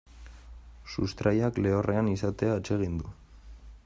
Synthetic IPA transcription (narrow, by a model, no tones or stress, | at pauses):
sust̪ɾʔajakle̞ore̞anisat̪e̞aet͡ʃe̞ɣ̞ind̪u